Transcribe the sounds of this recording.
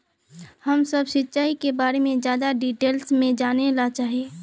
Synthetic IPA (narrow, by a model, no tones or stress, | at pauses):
hɐmsɐbsɪt̪ːt͡ʃaːikebaːɾemẽzjaːd̪aɖiːʈeːlsmẽd͡ʒaːnelat͡ʃaːɦieː